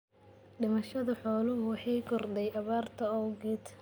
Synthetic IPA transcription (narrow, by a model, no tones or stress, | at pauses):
ɗɖɪmɐʃɐðɐħɔːlʊɦʊwɑħɑjɡɔrd̪ɛjɐβaːrt̪ʰɐɔwɡɛːt̪